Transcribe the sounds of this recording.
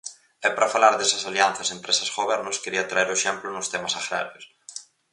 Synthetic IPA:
ɛpɾɐfalaɾðesɐsalianθɐsempɾesɐsɣoβɛɾnʊskeɾiɐt̪ɾaɛɾʊeʃɛmplʊnʊst̪ɛmɐsaɣɾa̰ɾjos

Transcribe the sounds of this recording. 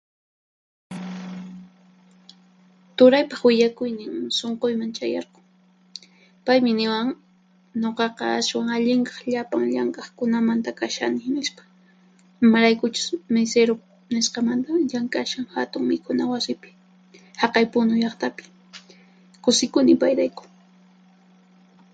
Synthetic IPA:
t̪ʊɾajpɑχwɪʎakʊjnɪŋsoɴqojmant͡ʃajɑ̰ɾqʊŋ | pajmɪnɪwaŋ | ɲoqɑqɑaswaŋaʎɪŋkɑ̥χʎapaŋʎaŋkɑχkʊnamant̪akaʃa̰nɪhnɪspḁ | ɪmaɾajkʊt͡ʃʊ̥smeseɾo | nesqɑmant̪aʎaŋkʼaʃaŋhat̪ʊŋmɪkʰʊnawasɪpɪ̥ | hɑqɑjpʊnʊʎɑχt̪apɪ̥ | kʊsɪkʊnɪpajɾajkʊ̥

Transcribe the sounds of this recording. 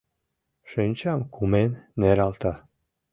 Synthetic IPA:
ʃinʲt͡ɕɑmkʰumenːeɾɑlt̪ɑ

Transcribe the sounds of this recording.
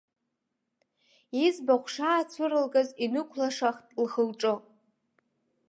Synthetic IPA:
izbaχʷʂaːt͡sʷʰɨɾɨlɡazinɨkʷʰlaʂaχtʼlχəlʈ͡ʂʼo

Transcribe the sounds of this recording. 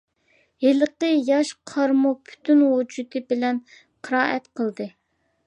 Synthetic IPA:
heləqəjɑʃqʰɑɾmupʰy̥t̪ʰynwod͡ʒut̪ɨbɪlɛn | qʰəɾɑːʔɛt̪qəlˠd̪ɨ

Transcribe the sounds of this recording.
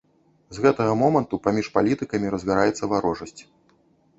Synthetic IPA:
zɣɛt̪ɐɣɐmɔmɐnt̪upamʲiʂpalʲit̪ɨkɐmʲiɾɐzɣaɾajɛt̪sːɐvaɾɔʐɐsʲt͡sʲ

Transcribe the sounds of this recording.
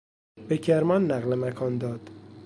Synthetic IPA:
b̥ecʰeɾmɒːnːæɣlemækʰɒːnd̪ɒːd̪̥

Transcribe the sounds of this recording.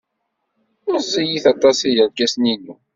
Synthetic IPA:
ʊɾsæjiθɑt̪ˤɑsijəlkːæsninu

